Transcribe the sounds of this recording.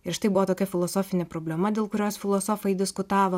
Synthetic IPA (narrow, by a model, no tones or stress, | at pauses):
ɪɾʃɪt̪ɐɪbʊʋoːt̪oːkʲɛfʲɪlˠoːsoːfʲɪnʲɛpɾoːbʲlʲɛmɐd̪ʲeːlˠkʊɾʲoːsfʲɪlˠoːsoːfɐɪd̪ʲɪskʊt̪ɑːʋoː